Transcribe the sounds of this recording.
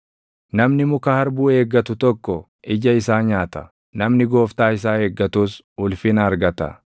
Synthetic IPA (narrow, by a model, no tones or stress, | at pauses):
nɐmnɪmʊkahɐɾbuːe̞ːɡːɐt̪ʊt̪ɔkːɔ | ʔɪd͡ʒɐɪsaːɲaːt̪ɐ̥ | nɐmnɪɡo̞ːft̪aːɪs̬aːe̞ːɡːɐt̪uːs | ʊlfɪnɐɐɾɡɐt̪ɐ̰